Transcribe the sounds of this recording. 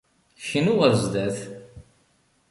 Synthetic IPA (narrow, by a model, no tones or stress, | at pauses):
çənuʁəɾzd̪æθ